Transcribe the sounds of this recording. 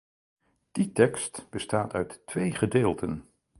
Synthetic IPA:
d̥itɛkstb̥əstaːtœɥtːʋejχədeːlˠtʰən

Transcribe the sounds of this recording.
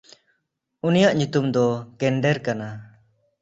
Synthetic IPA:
unijaʔɲut̪umd̪ɔkɛɳɖɛɾkana

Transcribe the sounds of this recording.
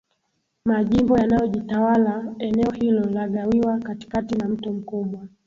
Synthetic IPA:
maʄimbɔjanajɔʄitawalaɛnɛɔhilɔlaɠawiwakati̥katinam̩tum̩kuɓwa

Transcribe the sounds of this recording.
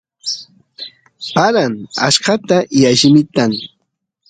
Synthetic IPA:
paɾaŋa̰ʃɢɑt̪ajaʃɪmɪt̪aŋ

